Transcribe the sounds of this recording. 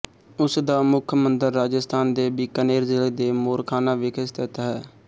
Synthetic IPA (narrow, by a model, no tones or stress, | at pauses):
ʊsd̪aːmʊkʰmənd̪əɾːaːd͡ʒəst̪ʰaːnd̪eːbiːkəneːɾzɪled̪eːmoːɾkʰaːnaːʋɪkʰəst̪ʰɪt̪ːɦɛː